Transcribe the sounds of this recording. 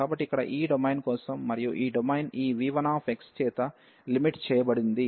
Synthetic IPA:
aːbɐʈːikːɐɽɐ̰ʔiːɖɐmɐjnkɔːsɐmːɐɾijuʔiːɖɐmɐjniːʋiːʋɐnaːpʰekst͡ʃ̪ɛːt̪ɐ | limiʈt͡ʃɛːjɐbɐɽind̪i

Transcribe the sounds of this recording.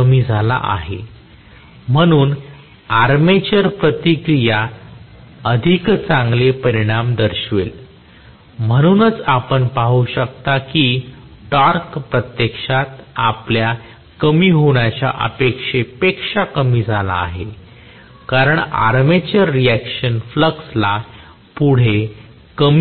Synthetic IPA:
əmiːd͡zʱala̰ʔa̰ɦe | m̤əɽ̃uːn | aɾmet͡ɕəɾpɾət̪ikɾija | əd̪ʱikt͡sãŋɡlepəɾiɽ̃amd̪əɾɕʋel | m̤əɽ̃uːnət͡sapəɳpaɦuɕək̚t̪aki | ʈaɾkpɾət̪jekʂat̪aplja | kəmiːɦoɽjat͡ɕja̰ʔə̰pekʂepekʂakəmiːd͡zʱala̰ːɦe | kaɾəɳa̰ɾmet͡ɕəɾːiækɕənfləksla | puɽ̤e | kəm

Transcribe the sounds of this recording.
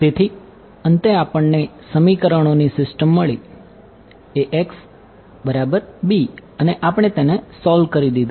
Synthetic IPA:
t̪et̪ʰi | ənt̪eapəɳːesəmikəɾəɳ̃onisɪsʈəmːəɭi | eʔeks | bəɾabəɾbiəneʔapəɳ̃et̪enesɔlkəɾid̪id̪

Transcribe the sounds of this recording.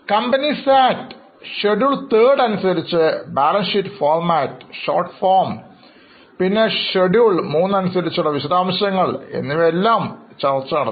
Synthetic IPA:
kɐmbɐnisaːt | ɕeɖjuːɭt̪eːɽɐnusɐɾit͡ɕːɨbaːlɐnʂiʈːfoːrmaːtːɕo̰ːrʈfoːrm | pinːeɕeɖjuɭmuːnːɐnusɐɾit͡ɕːuɽɐʋiɕɐðaːmɕjɐŋːɐɭe̞̰nːiʋeelːaːmt͡ɕɐrt͡ɕːɐɐɽɐ

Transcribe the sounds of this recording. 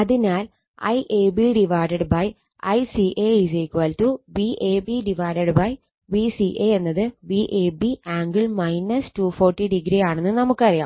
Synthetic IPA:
ɐðinaːl | ɐ̰jʔeːbiɖiʋaːjɖɐɖbɐj | ɐ̰jsiʔeːisekːʋɐːltuʋiʔeːbiɖiʋaːɖɐɖbɐj | ʋisiʔeenːɐðɨʋiʔeːbiaːŋɡɨɭmɐjnɐstuːfoːrʈːiɖiɡɾijaːɳenːɨnɐmukːɨpɐrija̰ːm

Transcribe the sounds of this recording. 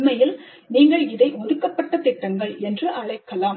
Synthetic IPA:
mɐjɪl | niːŋɡɐɭɪðɐɪʔɔðɯkːɐpːɐʈːɐt̪ɪʈːɐŋɡɐɭɛndrɯʔɐɭɐɪkːɐlaːm

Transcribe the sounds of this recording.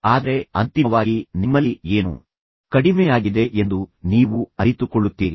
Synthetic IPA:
aːd̪ɐɾe̞ɐnt̪iɐʋaːɡinimːɐlːieːnṵ | kɐɽimɛjaːɡid̪e̞ʔend̪uniːʋuɐɾit̪ukoɭːut̪ːiːɾi

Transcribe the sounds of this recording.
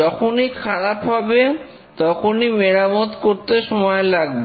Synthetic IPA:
ɔkʰonikʰaɾapɦɔbe | t̪ɔkʰonimeɾamot̪koɾt̪eʃɔmɔelaɡ̚be

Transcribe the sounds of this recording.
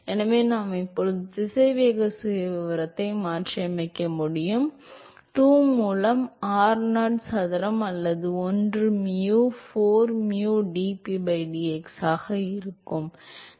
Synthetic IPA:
ɛnɐʋeːnaːmɪpːɔɻɯt̪ɪsɐɪʋeːɣɐsʊjɐʋɪʋɐɾɐt̪ːɐɪmaːʈt͡ʃɐɐmɐɪkːɐmʊɽɪjɯm | ʈuːmuːlɐmaːɾnaːʈsɐðɐɾɐmɐlːɐðɯɔndrɯmjuːfoːɾmjuːɖiːpibɐɪɖiɛksaːɣɐɪɾɯkːɯm

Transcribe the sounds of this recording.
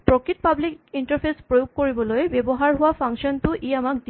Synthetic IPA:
pɹɔkɹitpablikintaɹpʰespɹojoɡ̚koɹibɔlojbebɔɦaɹɦʊwapʰaŋʃɔntʊʔeamakdi

